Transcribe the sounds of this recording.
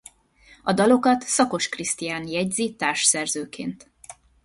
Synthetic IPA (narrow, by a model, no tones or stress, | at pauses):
ɒd̪ɒlo̞kɒt̪sɒko̞ʃkrist̪ijaːnjɛɟzit̪aːrʃsɛrzøːkʰḛːnt̪